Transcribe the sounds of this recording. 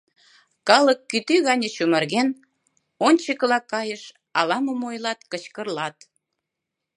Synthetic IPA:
kɑləkːyt̪yɣɑnʲət͡ɕumərɣen | onʲt͡ɕəkəlɑkːɑjəʃ | ɑlɑməmojlɑt̪kət͡ɕkərlɑt̪

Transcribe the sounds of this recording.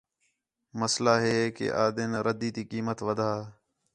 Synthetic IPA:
məslaːɦeːkḛːʔaːd̪eːnːɾəd̪iːt̪iːkiːmət̪ʋəd̪ʱaː

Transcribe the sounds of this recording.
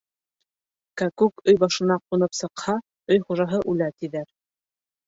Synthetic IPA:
kækʉkɵjbɑʃɤ̆nɑqunɤpsɤ̆qhɑ | ɵjχuʒɑɦɤʔʉlæt̪iðæɾ

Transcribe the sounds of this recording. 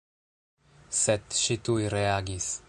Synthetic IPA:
set̪ʃit̪ujɾeaɡis

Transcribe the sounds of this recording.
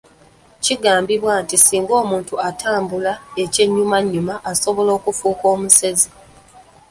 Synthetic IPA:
ciɡaːmbiβwaːntisiːŋɡo̞ːmuːntuatʰaːmbulae̞ce̞ɲːumaɲːumaʔːso̞βo̞lo̞ːkufuːko̞ːmuse̞zi

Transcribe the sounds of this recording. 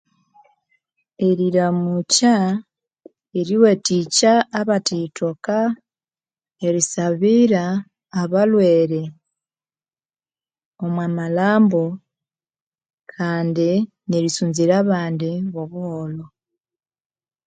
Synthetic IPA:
e̞ɾiɾamuca | eɾiwe̞ticaːβatitʰoka | eɾisaβiɾaː | βalweːɾe | omwaːmalaːmbo | kʰaːndi | neɾisuːnziɾaːβaːndiβoβuholo

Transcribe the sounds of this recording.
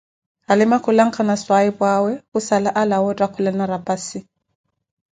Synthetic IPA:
alɪmakʰʊlaŋ̩kʰanaswaipʼwawɛusalaʔalawɔtʼakʰʊlɛnaɾapʼasi

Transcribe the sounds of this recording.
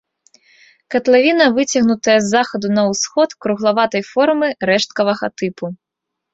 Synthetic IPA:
kɐt̪lʲˠavʲinɐvɨt͡sʲɐɣnut̪ɐjɛzːaxɐd̪unɐwsxɔt̪kɾuɣlˠavat̪ɐjfɔrmɨɾɛʂt̪̚kɐvɐɣɐt̪ɨpu

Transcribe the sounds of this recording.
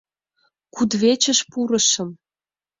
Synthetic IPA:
kud̪βet͡ɕə̆ʃpuɾə̆ʃə̆m

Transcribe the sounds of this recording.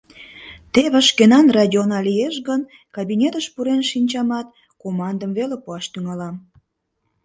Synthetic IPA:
t̪eβə̆ʃkenɑnrɑdʲionɑlijeʃɣən | kɑbinʲet̪əʃpuɾenʃinʲt͡ɕɑmɑt̪ | komɑnd̪əmvelepuɑʃt̪yŋɑlɑm

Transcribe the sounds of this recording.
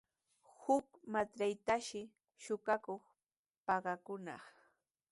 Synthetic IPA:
hʊkmat̪ajt̪aʃɪ | ʃʊkakoχ | pɑɢɑkʊnɑ̰χ

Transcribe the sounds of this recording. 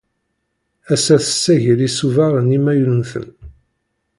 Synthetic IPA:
æsæθə̥sːæʝəlisuvaɾˤənimæjulənθə̰n

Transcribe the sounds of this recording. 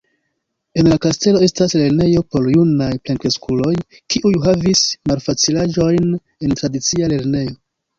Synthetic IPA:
e̞nlakaste̞lo̞e̞stasle̞ɾne̞jo̞po̞ɾjunajplaŋkɾeskʰulo̞j | kiʔujɦavismalfat͡silaʒo̞jn | e̞ntɾadit͡siale̞ɾne̞jo̞

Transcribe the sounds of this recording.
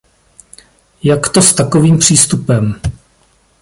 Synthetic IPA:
jakt̪o̞st̪akoviːmpr̝̥iːst̪upɛm

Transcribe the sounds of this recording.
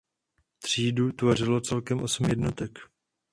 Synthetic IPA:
t̪r̝̥iːdut̪vo̞r̝ɪlo̞t͡sɛlkɛmʔo̞sm̩jɛdnot̪ɛk

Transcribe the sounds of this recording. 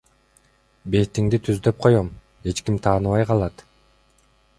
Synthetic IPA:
be̞jt̪iŋd̪it̪ʰyzd̪ø̞p̚qʰo̞jom | e̞t͡ʃkimt̪ʰɑːnɯβɑjqʰɑlˠɑt̪

